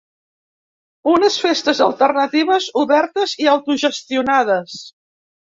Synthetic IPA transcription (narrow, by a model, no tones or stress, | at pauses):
unəsfest̪əzəlˠt̪ərnət̪iβəzuβɛɾt̪əziawt̪uʒəst̪iunað̞əs